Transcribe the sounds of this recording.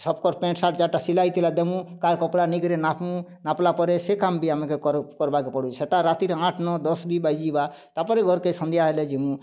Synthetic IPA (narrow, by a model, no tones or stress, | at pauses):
sɔbkɔɾpẽɳʈsaʈd͡ʒaʈasilajt̪ilad̪emũkaɾkɔpɽaniɡɾenapũnaplapɔɾesekambiamẽkekɔɾkɔɾbakepɔɽuet̪aɾat̪iɾãʈʰnɔd̪ɔsbibajd͡ʒibat̪apɔɾeɡʱɔɾkesɔ̃nd̪ijaɦeled͡ʒemũ